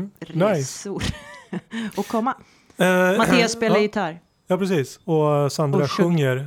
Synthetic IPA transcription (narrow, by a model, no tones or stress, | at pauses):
ɾnajsuɾ | ɔkʰɔmːa | ɛmat̪ːʊsːpeːljɪt̪ʰaːɾ | jɑːpʰɾɛsiːsɔsand̪ɾaɧɵŋːəɾ